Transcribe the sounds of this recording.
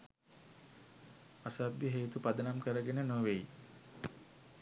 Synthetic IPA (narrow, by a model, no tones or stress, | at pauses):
asabjəɦeːt̪upad̪ənamkəɾəɡenənoʋeji